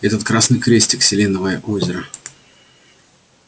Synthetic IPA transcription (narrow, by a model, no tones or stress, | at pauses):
ɛt̪ət̪kɾasnɨjkɾʲesʲtʲɪksʲɪlʲenəvəjəʔozʲɪɾə